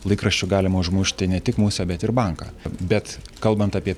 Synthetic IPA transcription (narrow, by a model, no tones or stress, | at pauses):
lˠɐɪkɾɐʃʲt͡ʃʲʊɡɑːlʲɪmɐʊʒmʊʃʲt̪ʲɪnʲɛt̪ʲɪkmuːsʲɛbʲɛt̪ɪɾbɐŋkɑ̰ːbʲɛt̪kɐlˠbɐnt̪ɑːpʲiɛ